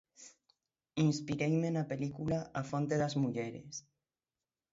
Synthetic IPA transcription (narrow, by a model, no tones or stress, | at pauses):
inspiɾejmenapelikulaʔafont̪eðazmuʎeɾḛs